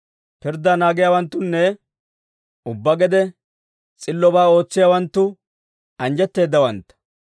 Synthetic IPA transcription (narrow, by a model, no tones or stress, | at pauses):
pɪɾd̪ːanaːɡɪjaːwɐnt̪ːʊnːɛ | ʊbːɐɡɛd̪ɛ | t͡sʼɪlːɔbaːo̞ːt͡sːɪjaːwɐnt̪ːʊ | ɐnd͡ʒɛt̪ːe̞ːd̪ːɐwɐnt̪ːɐ̥